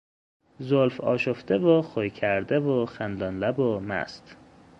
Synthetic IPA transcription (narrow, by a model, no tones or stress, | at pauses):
zolfɒːʃofd̪evoxojcʰæɾd̪evoxænd̪ɒːnlæbomæ̰st̪